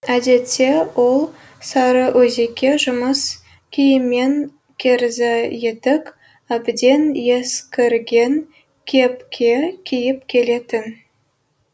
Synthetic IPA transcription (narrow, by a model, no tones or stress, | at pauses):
æd̪e̞t̪ːe̞wo̞lˠ | sɑɾəʔwʔɵze̞kʲːe̞ʒʊməs | kʲʰijɪmːe̞ŋ | kʲʰeɾzɪje̞t̪ɪk | æbd̪e̞nje̞skʲɪɾɡʲe̞ŋ | kʲʰe̞pkʲʰe̞kʲʰijɪp̚kʲʰe̞le̞t̪ɪn